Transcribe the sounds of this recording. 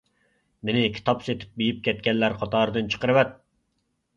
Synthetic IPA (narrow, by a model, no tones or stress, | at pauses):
menɪkʲʰi̥t̪ʰɑpset̪ʰɪ̥p̚bejip̚kʲʰɛt̪̚kʲɛnlæɾqʰɑt̪ʰɑːɾɨd̪ɨnt͡ʃʰə̥qəɾɨwɛt̪̚